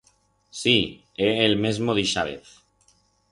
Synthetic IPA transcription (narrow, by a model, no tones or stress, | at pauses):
si | eelmezmoðiʃaβḛθ